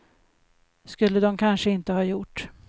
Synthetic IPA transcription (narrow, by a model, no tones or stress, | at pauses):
skɵlːəd̪ɔmkʰanʂəɪnt̪əhɑːjʊʈː